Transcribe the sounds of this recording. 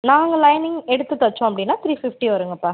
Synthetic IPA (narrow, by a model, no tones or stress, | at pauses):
naːŋɡɐlɐjnɪŋɛɽɯt̪ːɯt̪ːɐt͡ʃːõːɐpːɐɽɪnːaːt̪ɾiːfɪfʈiʋɐɾɯŋɡɐpːaː